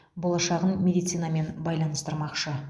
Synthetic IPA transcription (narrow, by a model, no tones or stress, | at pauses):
bo̞lˠɑʃɑʁənmʲe̞d̪ijt̪sijnɑme̞nbɑjlˠɑnəst̪əɾmɑqʃə